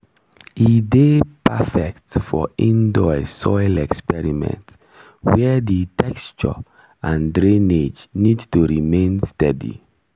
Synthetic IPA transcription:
idepʰafɛktfɔĩndɔɪsɔɪlɛkspɛɹimɛ̰̃nt | wɛditʰɛkst͡ʃɔ̰ | ãndɹẽned͡ʒnidtuɹimẽnstɛdḭ

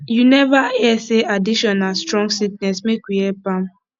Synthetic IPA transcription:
junɛvaɛseadiʃɔnastɹɔ̃ŋɡsik̚nɛsmekwiɛpãm

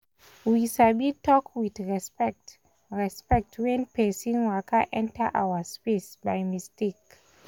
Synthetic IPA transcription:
wisabitʰɔkwidɹɛspɛt | ɹɛspɛk̚tʰwɛ̃npʰesĩŋwakʰaʔɛ̃ntʰəʔa̰wəspesbajmistek

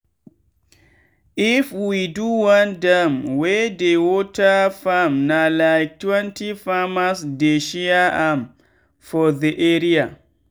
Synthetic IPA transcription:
ifwiduwãndɛmwɛdewɔtafamnalajk̚twɛ̃ntifamasdeʃiaʔam | fɔðiʔɛɾia

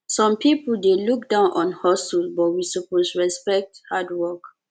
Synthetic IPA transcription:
sɔ̃mpipəl̩deluk̚dãʊ̃nʔɔ̃nhɔstəlbɔtwisuposɹɛspɛk̚thadwɔk

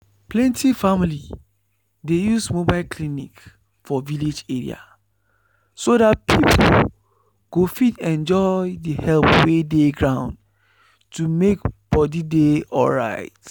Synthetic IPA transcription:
plɛ̃ntifamili | dejusmobaɪlkʰlinik | fɔviled͡ʒeɹḭa̰ | sodat̚pʰipʰol | ɡ̥ofitɛ̃nd͡ʒɔɪdihɛlpwedeɡɹãʊ̃nd | tumekb̥ɔdideɔ̰lɹa̰ɪt

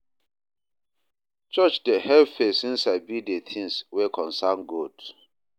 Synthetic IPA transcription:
t͡ʃɔt͡ʃdehɛlfesĩnsabidetʰĩŋswekʰɔ̃nsanɡod

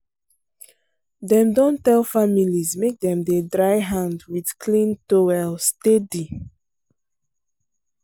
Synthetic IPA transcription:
dɛ̃mdɔ̃ntɛlˠfamilizmek̚dɛ̃mdedɹaɪɦãndwid̥kʰlĩntowɛlstedi

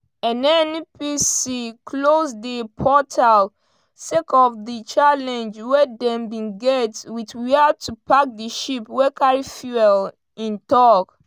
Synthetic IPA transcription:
ɛ̃nɛnpisikʰlosdipʰɔtʰal | sekɔfdit͡ʃalɛ̃nd͡ʒwɛdɛ̃mbĩnɡɛtwitwiatʰupak̚diʃipwɛkaɹifjuɛl | ĩntɔk

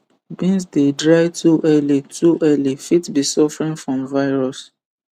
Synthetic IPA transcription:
bĩns̬dedɹajtʰuʔɛlitʰuʔɛlifitbisɔfɹĩŋfɹɔ̃mvaɪɹɔs

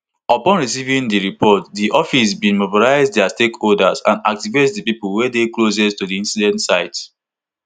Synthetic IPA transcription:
ɔpɔ̃nɹisivĩndiɹipɔtdiʔɔfis̬bĩnmobilaɪzddastekholdazã̰na̰k̚tivetdipipulwɛdeklosɛstudiĩnsidɛ̃ntsaɪt

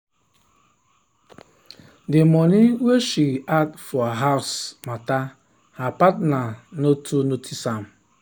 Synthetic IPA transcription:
demɔniweʃiadfɔaɦaʊsmata | hapatnanotʰunotʰisam̩

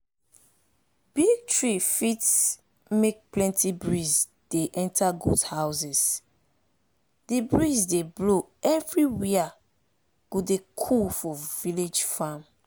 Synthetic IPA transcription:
b̥iɡ̚tɹifits | mek̚plɛ̃ntʰibɹiz | d̥eʔɛ̃ntaɡṵdhaʊsɛs | dibɹizdeblo | ɛvɹiwia | ɡ̥odekʰulfɔviled͡ʒfãm

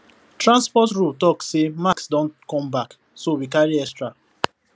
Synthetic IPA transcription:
tɹãnspɔtɹultɔkssemaksdɔ̃ntkɔ̃mbak | sowikaɹiɛkstɹa

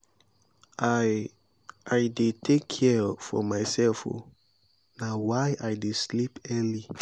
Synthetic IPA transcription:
ajdetʰekʰːɛfɔ̰maɪsɛlfo̰ | nawajajdeslipɛ̃nli

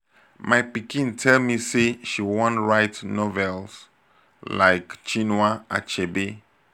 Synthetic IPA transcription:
majpikĩntʰɛlmiseʃiwɔ̃nɹaɪtnɔvɛls | la̰ɪkt͡ʃĩnwaʔa̰t͡ʃebe

